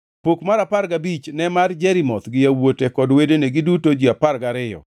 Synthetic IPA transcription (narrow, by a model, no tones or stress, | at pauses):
pokmaɾapaɾɡabit͡ʃnɛmard͡ʒɛɾimɔt̪ɡɪjawotekɔdwedeneɡɪdutod͡ʒiaparɡaɾɪjɔ̰